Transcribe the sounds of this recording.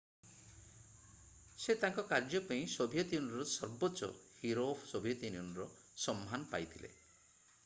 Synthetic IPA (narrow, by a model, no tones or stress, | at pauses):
set̪aŋkɔkaɾd͡ʒɔpaĩsobʱijɔt̪iunɔɾɔsɔɾbot͡ʃɔ̰hiɾopʰsobʱijɔt̪iniunɔɾɔ | sɔmːanɔpajt̪ʰilḛ